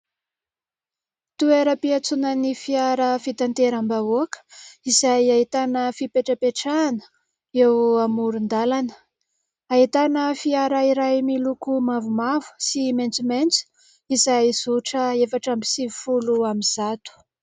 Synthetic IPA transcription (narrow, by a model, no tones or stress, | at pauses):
t̪ueɾəpiat͡sunənifiaɾəfit̪ant̪eɾambavoakə̥izajaɦit̪anəfipeʈ͡ʂəpeʈ͡ʂanə̥ | ewamuɾund̪alanə̥ | aɦit̪anəfiaɾaiɾajmilukumavumavu̥siment͡siment͡su̥ | izajizuʈ͡ʂəefaʈ͡ʂambisivifuluamiz̥at̪u̥